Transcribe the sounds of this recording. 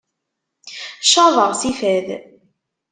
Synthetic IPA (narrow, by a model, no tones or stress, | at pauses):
ʃɑðˤəʁsifæð